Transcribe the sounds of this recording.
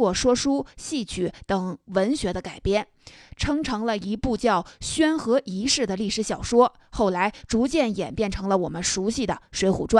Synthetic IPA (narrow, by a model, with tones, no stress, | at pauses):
wɔ˥˩ʂwɔ˥ʂu˥ɕi˥˩t͡ɕʰy˧˩t̪ɤ˨˩ŋwə˧˥nɕɥɛ˧˥d̪ə˧ka˨˩ɪpjɛ˥˩n | ʈ͡ʂʰɤ˥ŋʈ͡ʂʰɤ˧˥ŋlə˧i˧˥pu˥˧t͡ɕjɑ˥˩ʊɕɥɛ˥nxɤ˧˥i˧˥ʂɻ̩˥˩d̪ə˩li˥˩ʂɻ̩˧˥ɕjɑ˨˩ʊʂwɔ˥ | xo˥˩ʊla˧˥ɪʈ͡ʂu˧˥t͡ɕjɛ˥˩njɛ˨˩npjɛ˥˩nʈ͡ʂʰɤ˧˥ŋlə˧wɔ˨˩mə˦nʂu˧˥ɕi˥˩d̪ə̰˩ʂwe˧˥ɪxṵ˨˩ʈ͡ʂwa˥˩